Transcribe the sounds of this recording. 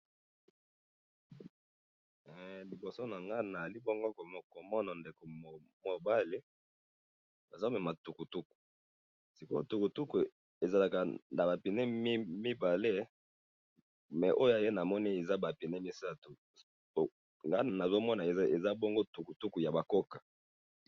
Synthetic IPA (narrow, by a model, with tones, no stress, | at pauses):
ɛ˨li˨bo˨so˦na˨ŋɡa˦na˨li˦bo˦ŋɡo˦ko˨mo˨ko˨mɔ˦nɔ˨nde˨ko˨ | mo˨ba˦li˦ | ba˨zo˦mɛ˨ma˨tu˨ku˨tu˦ku̥˨ | si˨ko˦tu˨ku˨tu˦ku˨ | e˨za˨la˨ka˨na˨ba˨pi˨ne˦m˦mi˦ba˨le˦ | mɛ˨ʔo˦jo˦a˨je˦na˨mɔ˦ni˦e˨za˦ba˨pi˨ne˦mi˦sa˦tu˨ | ŋɡa˦˨na˨zo˦mɔ˦na˨˦e˨za˦bo˦ŋɡo˦tu˨ku˨tu˦ku˨ja˨ba˨ko˦kḁ˨